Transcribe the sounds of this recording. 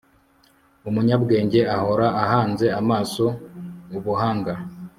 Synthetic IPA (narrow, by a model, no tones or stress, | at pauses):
umuɲabɡe̞ːɲɟe̞aho̞ɾaːhaːnze̞amaːso̞uβuɦaːŋɡa